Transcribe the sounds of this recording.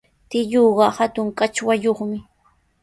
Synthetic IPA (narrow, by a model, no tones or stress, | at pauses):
t̪ɪʎoːɢɑhat̪ʊŋkat͡ʃwajoχmɪ